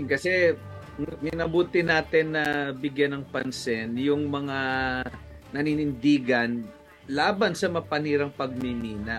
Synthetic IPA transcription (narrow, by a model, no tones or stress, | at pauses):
kɐsɛ | mɪnɐbuːt̪ɪnaːt̪ɪnːɐbɪɡjanɐŋpɐnsɛnjʊŋmɐŋa | nɐninɪnd̪iːɡɐn | laːbɐnsɐmɐpɐniːɾɐŋpɐɡ̚mɪmiːnɐʔ